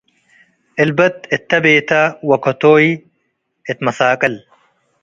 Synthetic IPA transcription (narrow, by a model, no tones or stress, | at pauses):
ɪlbɐt̪it̪ʰːɐbeːt̪ɐwɐkʰot̪oːi | ɪt̪mɐsaːkʼɐl